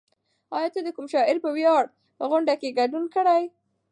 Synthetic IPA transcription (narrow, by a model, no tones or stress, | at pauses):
ɑjɑt̪əd̪əkumʃɑɪɾpəwjɑɽ | pəɣʊɳɖakeɡaɖunkəɽaj